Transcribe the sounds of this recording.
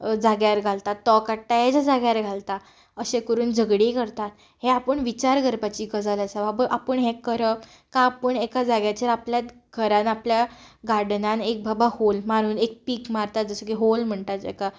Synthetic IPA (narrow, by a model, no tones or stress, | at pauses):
d͡zaɡjaɾɡʱalt̪at̪ːɔkaʈːajed͡zad͡zaɡjaɾɡʱalt̪a | əɕẽkəɾuːnd͡zəɡɽikəɾt̪at̪ | heapəɳʋit͡ɕaɾɡʱəɾpat͡ɕiːɡəd͡zalasababəʔapəɳɦẽkəɾə | kãpəɳekad͡zaɡjat͡ɕeɾapljat̪ | ɡʱəɾãnapljaɡaɽnanek̚bʱabaholmaɾ̤uːnek̚piːkmaɾt̪at̪̚d͡zəsəkiɦolm̤əɳt̪at̪ḛka